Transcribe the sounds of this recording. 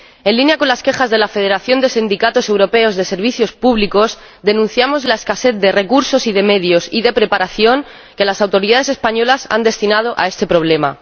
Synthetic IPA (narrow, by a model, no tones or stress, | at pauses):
e̞nlinjako̞nlaske̞xazðe̞lafe̞ð̞e̞ɾaθjo̞nd̪e̞sind̪ikat̪o̞se̞wɾo̞pe̞o̞zðe̞se̞ɾβiθjo̞spuβliko̞z | d̪e̞nũn̟θjamo̞zlae̞skase̞θd̪e̞re̞kuɾso̞siðe̞me̞ðjo̞siðe̞pɾe̞paɾaθjo̞ŋ | ke̞lasawt̪o̞ɾiðaðe̞se̞spaɲo̞lasa̰nd̪e̞st̪inað̞o̞ʔa̰e̞st̪e̞pɾo̞βle̞ma